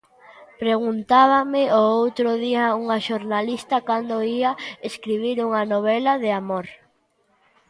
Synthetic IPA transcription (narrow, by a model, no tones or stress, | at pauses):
pɾeɣunt̪aβ̞amɪʔoowt̪ɾʊðiɐuŋɐʃoɾnalist̪ɐkand̪oiɐeskɾiβ̞iɾuŋɐnoβ̞ɛlɐðeamoɾ